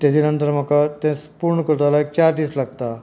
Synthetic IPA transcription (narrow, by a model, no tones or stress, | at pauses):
t̪ed̪inənt̪əɾm̤akat̪ɛ̃spuɾɳəkəɾt̪alaek̚t͡ɕaɾd̪iːslaɡ̚t̪a